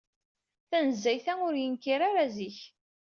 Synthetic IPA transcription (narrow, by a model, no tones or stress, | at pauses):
θænəzːæjθæʊɾjənkiɾaɾaziç